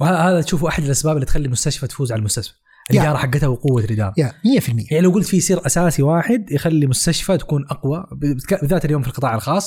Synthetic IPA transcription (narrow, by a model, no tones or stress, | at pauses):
whaːhaːðat̪ʃuːfʔaħad̪ɪlʔasbaːbɪlit̪xalːimʊst̪aʃfat̪fuːzʕalalmʊst̪aʃfa | ʔɪlːjɑːɾˤɑħaɡːɪt̪hawqʊwːaɾɪd̪a̰ːmɪjːafɪlmɪ̰jːajaʕnilawɡʊlt̪fisˤiːɾʔasaːsiwaːħɪd̪jɪxalːimʊst̪aʃfat̪ḁkuːnʔaqwabɪbt̪kabɪðaːt̪aljoːmfilqɨt̪ˤɑːʕalxɑːsˤː